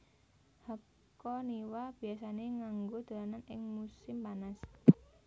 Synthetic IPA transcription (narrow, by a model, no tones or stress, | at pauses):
ha | kɔniwab̥i̤asaneŋaŋɡod̪̥a̤lananɪ̰ŋmusɪmpanas